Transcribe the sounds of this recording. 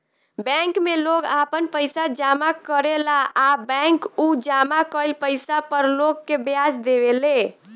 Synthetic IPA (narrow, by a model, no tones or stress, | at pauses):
bɛ̃ŋkmeloɡapənpəjsad͡ʒamakəɾelaːbɛ̃ŋkud͡ʒamakəjlpəjsapəɾloɡːebjad͡ʒd̪eβele